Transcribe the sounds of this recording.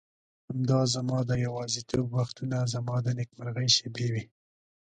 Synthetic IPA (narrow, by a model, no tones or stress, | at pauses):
hamd̪ɑzamɑd̪əjawɑzit̪ʰoɡwaxt̪unazamɑd̪ənɪkmaɾɣajʃebewi